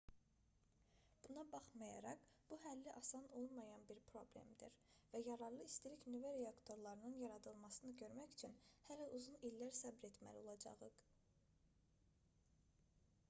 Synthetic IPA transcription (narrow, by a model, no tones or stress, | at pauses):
b̥unɑbɑχmɑjɑ̰ɾɑqb̥uɦælːiʔɑsɑno̞lˠmɑjɑnbiɾpʰɾo̞ble̞̰md̪iɾvæjɑɾɑɾlˠɯist̪iɾiçnyvæɾeɑkt̪ʰo̞ɾlˠɑɾɯnɯnjɑɾɑd̪ɯlˠmɑsɯnɯɟø̞ɾmæçy̥t͡ʃʰynhælæʔuzunilːæɾsæbɾe̞t̪mæ̰lio̞̰lˠɑd͡ʒɑ̰ʁɯq